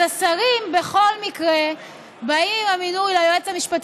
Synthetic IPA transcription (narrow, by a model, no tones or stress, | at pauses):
asaʁimbe̞χo̞lmikʁe | baimaminujlajoet͡samiʃpat̪